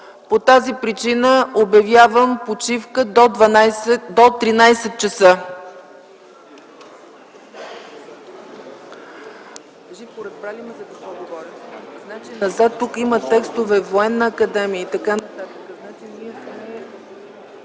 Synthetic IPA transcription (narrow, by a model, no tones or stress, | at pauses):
pot̪azipɾit͡ʃinəobjɐvʲjavəmpot͡ʃifkəd̪od̪vɐnd̪ot̪ɾinajsɛt̪̚t͡ʃəsɤ | ʒifpoɾɛt̪̚pɾalʲimɛzɐk̪ɐsoɡovɔɾʲiznat͡ʃinɐzat̪ːukimət̪ɛkst̪ovɛvoɛnːəːkɐd̪ɛmiəit̪ɐkanət̪at̪əkəznat͡ʃinixmɛ